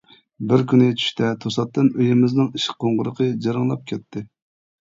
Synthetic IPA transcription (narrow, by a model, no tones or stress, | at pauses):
bɪɾkʲynɪt͡ʃʰy̥ʃt̪ʰɛt̪ʰosɑt̪ːɨnøjɪmɪznɪŋiʃɪ̥qʰːoɴʁʊɾəqʰəd͡ʒɑɾɨŋlˠɑp̚kʲʰɛt̪ʰːɪ